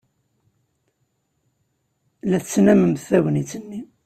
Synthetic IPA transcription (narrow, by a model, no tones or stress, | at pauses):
læθt͡sːnæməmθæwənit͡sːənːi